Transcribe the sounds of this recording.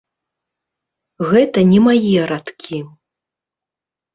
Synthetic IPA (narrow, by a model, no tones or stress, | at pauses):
ɣɛt̪ɐnʲɛmajijɛɾat̪kʲʰi